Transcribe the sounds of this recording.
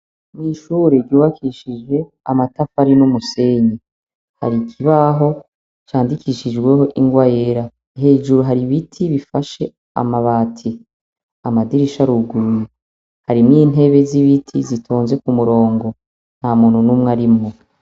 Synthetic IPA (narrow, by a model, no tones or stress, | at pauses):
niːʃuːɾeɾɟuːβakʰiʃid͡ʒe̞ | a̰matafaɾinumuse̞ɲi | ha̰ɾikʰiβaɦo̞ | t͡ʃaːndikʰiːʃid͡ʒɡwe̞ho̞ʔiŋɡwajeɾa | ɦe̞ːd͡ʒuɾuɦaɾiβitʰiβifaʃe̞ | a̰maβaːtʰi | amadiɾiʃaɾuɡuɾuje | haɾimŋiːn̥ɦe̞βe̞ziβitʰḭzitʰoːnze̞kumuɾo̞ːŋɡo̞ | n̥hamuːn̥hunumŋaɾimŋo